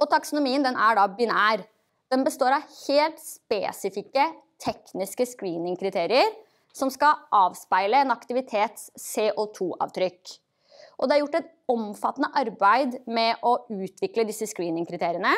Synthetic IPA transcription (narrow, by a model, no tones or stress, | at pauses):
ɔt̪ʰɑksʊnʊmiːənd̪ɛnʔæɖɑbɪnæːɾ | d̪̥ɛnbəst̪oːɾɑʋheːlt̪speːsɪfɪkːə | t̪ʰɛknɪskəskɾiːnɪŋkʰɾɪt̪ʰeːɾɪəɾ | sɔmskɑʔɑːʋspæɪləɛnɑkt̪ɪʋɪt̪ʰeːt̪sːeːʔot̪ʰuːʔɑ̰ːʋt̪ʰɾʏkː | ʔɔd̪ɛæɾjʊʈːɛt̪ | ɔmfɑt̪ːnəʔɑɾbæɪd̪mɛʔɔʉːt̪ʰʋɪkləd̪ɪsːəskɾiːnɪŋkʰɾɪt̪ʰeːɾɪənə